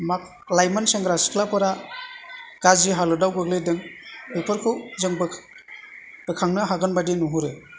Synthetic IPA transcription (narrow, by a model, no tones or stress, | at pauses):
mak̚ | lajmanseŋɡɾasi̥klapɯɾa | kad͡ʒiɦalɔdawɡɯɡledɯŋpepʰɯɾkʰɯwzɯŋb | pɯkʰaŋnɯɦaɡɯnbadinuɦuɾe